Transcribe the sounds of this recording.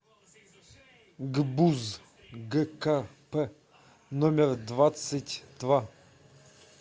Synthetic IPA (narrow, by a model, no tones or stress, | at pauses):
ɡbuz | ɡɛkapɛ | nomʲɪrd̪vat̪sɨtʲd̪̥va